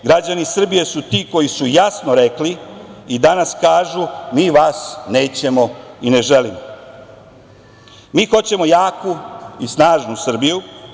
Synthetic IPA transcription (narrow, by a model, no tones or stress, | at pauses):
ɡɾad͡ʑanisr̩bije̞sut̪iːko̞jisujasnoɾe̞kliid̪anaskaːʒumiːʋaːsne̞ːt͡ɕe̞mo̞ine̞ʒelimo | miːxo̞t͡ɕe̞mo̞jaːkuisnaːʒnusr̩biju